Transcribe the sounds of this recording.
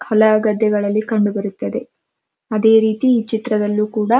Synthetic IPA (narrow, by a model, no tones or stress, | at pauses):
hɔlɐɡɐd̪ːɛɡɐɭɐlːikɐɳɖubɐɾut̪ːɐd̪e̞ | ɐd̪e̞ːɾiːt̪iːt͡ʃit̪ɾɐd̪ɐlːuːkuːɽɐ